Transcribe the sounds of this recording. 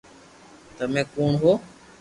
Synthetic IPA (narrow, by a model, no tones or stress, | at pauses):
t̪əmẽːkuːɳɦoː